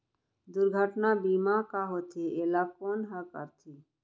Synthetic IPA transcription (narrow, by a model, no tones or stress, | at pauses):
d̪ʊɾɡʱəʈnabiːmakaɦot̪ʰeʔeːlakoːnɦakə̰ɾt̪ʰiː